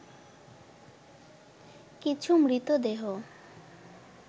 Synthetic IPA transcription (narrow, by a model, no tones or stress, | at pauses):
kit͡ɕʰumɾit̪od̪eɦo